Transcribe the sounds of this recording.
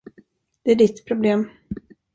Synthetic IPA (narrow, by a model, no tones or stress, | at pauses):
d̪̥ɛæɖɪt̪ːpʰɾʊbleːm